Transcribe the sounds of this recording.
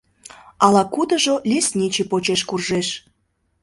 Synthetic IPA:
ɑlɑkud̪ə̆ʒolʲesnʲit͡ɕepot͡ɕeʃkurʒeʃ

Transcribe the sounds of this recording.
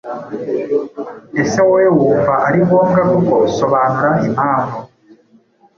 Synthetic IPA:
esewewuːɱvaʔaɾiβoŋɡakukoso̞βaːnuɾaimaːmbo

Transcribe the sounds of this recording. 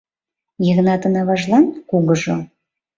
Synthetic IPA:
jeɣnɑt̪ə̆nɑβɑʒlˠɑnkuɣə̆ʒo

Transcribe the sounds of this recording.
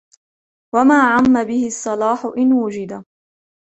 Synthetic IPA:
wamaːʕamːabɪhɪɑsˤːɑlɑːħʊʔɪnwʊd͡ʒɪd̪a

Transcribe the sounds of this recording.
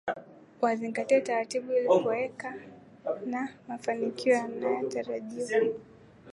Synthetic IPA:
waziŋɡatiɛtaɾatiɓuilikuɛka | namafanikiɔjanajɔtaɾaʄiwa

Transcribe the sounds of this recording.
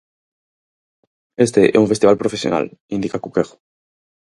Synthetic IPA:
est̪eʔɛ̰uɱfest̪iβalpɾofesjo̰nʔa̰lĩnd̪ikakukeɣo̥

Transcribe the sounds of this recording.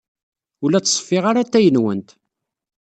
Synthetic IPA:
ʊlæt͡sːsˤfːiʁaɾat̪ːæjənwənt̪

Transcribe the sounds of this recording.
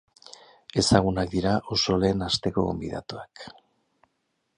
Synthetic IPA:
e̞saɣ̞unak̚d̪iɾaʔo̞so̞le̞ːnast̪e̞ko̞ɣombḭð̞a̰t̪uak

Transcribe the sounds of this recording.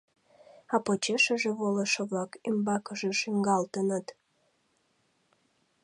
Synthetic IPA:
ɑpot͡ɕeʃəʒeβoləʃə̆βlɑkimbɑkəʒĕʃyŋɡɑlt̪ənət̪

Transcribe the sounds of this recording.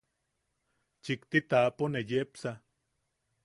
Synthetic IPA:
t͡ʃikt̪it̪aponejepsa

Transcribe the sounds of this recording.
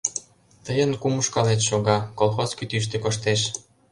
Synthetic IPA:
t̪əjənkumuʃkɑlet̪ʃoɣɑkolˠxoskyt̪yʃ̬t̪ekoʃt̪eʃ

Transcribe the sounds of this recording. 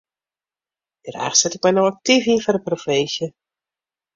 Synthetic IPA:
dəra̰ːxsɛtɪk̚mɛjnowak̚tivinfɔrəprofesjə

